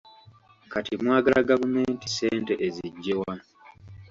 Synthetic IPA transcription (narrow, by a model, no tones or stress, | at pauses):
katimwaːɡalaɡavume̞ːntise̞ːnte̞ʔeziɟːewa